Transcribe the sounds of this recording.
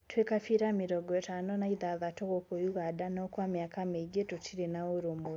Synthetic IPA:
twekafiɾamiɾoɡɔtanonaiðaðatoɣokojuɣadanokwamjakameɡetutʰiɾenaoɾomo

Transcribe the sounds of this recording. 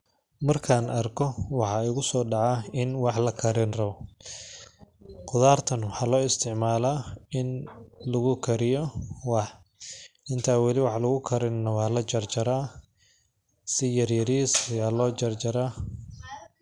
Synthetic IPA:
mɐrkʰaːnʔɐrkʰɔwɑħɑːɪɣʊsɔːɖɑʕɑɪnwɑħlɐkʰɐɾɪnrɐβɔ | qʊðaːrt̪ʰɐnwɑħɑːlɔːɪst̪ʰɪʕmaːlaːɪnlɐɣʊkʰɐɾɪjɔwɑħ | ɪnt̪ʰaːwɑlɪwɑħlʊɣʊkʰɐɾɪnnɐwɑːlɐt͡ʃɐrt͡ʃɐɾaː | sɪjɐrjɐɾiːsɐjaːlɔːt͡ʃɐrt͡ʃɐɾaː

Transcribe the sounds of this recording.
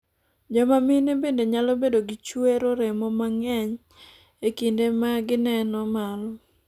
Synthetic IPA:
d͡ʒɔmamɪnebendeɲalɔbedoɡit͡ʃweɾoɾemɔmaŋɛɲ | ekindemaɡɪnɛnɔmalɔ

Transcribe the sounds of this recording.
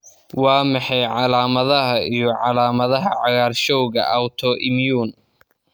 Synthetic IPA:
wɑːmɑħɑjʕɑlaːmɐðɐɦɐʔijɞʕɑlaːmɐðɐɦɐʕɑɣaːrʃɔwɣɐ̰ʔɐwt̪ʰɔʔɪmjuːn

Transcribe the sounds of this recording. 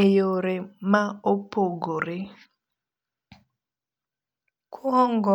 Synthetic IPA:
ejoɾɪmaopoɡoɾɪ | kʰuɦɔŋɡɔ

